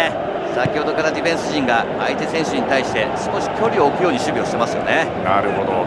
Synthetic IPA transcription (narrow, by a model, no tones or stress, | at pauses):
e | sakʲihod̪o̞kaɾad̪ʲiɸẽ̞ɰ̃sɨʑĩŋɡa | ait̪e̞sẽ̞ɰ̃ɕɨɲ̟it̪aiɕi̥t̪e̞sɨ̥ko̞ɕi̥kʲo̞ɾʲio̞ːkɯ̟jo̞ːɲiɕɨbʲio̞ɕi̥e̞masɨjo̞nena̰ɾɯ̟ɦod̪o